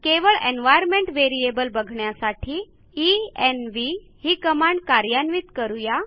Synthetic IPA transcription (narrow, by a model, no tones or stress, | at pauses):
keʋəɭenʋajəɾmeɳʈʋeɾiebəlbəɡʱɳjasaʈʰiː | enʋi | hiːkəmaɳɖkaɾjanʋiːt̪kəɾuja